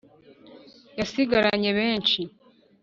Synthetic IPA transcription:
jasiɡaɾaɲe̞βe̞ːnt͡ʃi

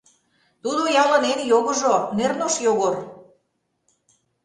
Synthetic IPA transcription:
t̪ud̪ojɑlɑnenjoɣɤ̆ʒonernoʃjoɣor

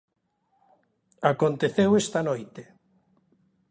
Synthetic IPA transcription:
akont̪eθewest̪anojt̪e

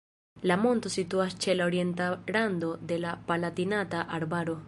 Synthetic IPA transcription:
lamo̞nto̞situast͡ʃe̞laoɾie̞ntalando̞de̞lapalatinataʔaɾbaɾo̞

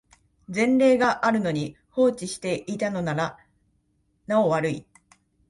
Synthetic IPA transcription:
d͡zẽ̞nɾe̞ːɡaʔaɾɯ̟no̞ɲ̟i | ho̞ːt͡ɕiɕi̥t̪e̞ʔit̪ano̞naɾa | nao̞βaɾɯ̟i

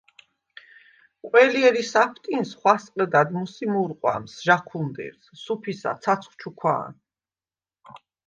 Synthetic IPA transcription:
kʼwɛliɛɾisapʰt̪ʼinsχwasqʼɛd̪ad̪musimuɾqʼwa̰msʒaχʰund̪ɛ̰ɾssupʰisa̰t̪sʰat̪sʰχt͡ʃʰukʰwa̰ːn

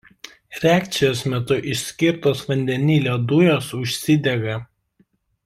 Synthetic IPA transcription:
ɾʲæːkʲt̪sʲɪjoːsmʲɛt̪ʊʔɪʃʲsʲkʲɪɾt̪oːsʋɐnʲd̪ʲɛnʲiːlʲoːd̪ʊjoːsʊʃʲsʲɪd̪ʲɛɡɐ

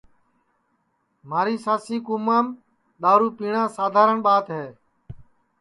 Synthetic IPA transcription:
m̤aːɾiːsaːsiːkuːmaːm | ɗ̪aːɾuːpiːɳãːsaːd̪ʱaːɾəɳɓaːt̪ɦeː

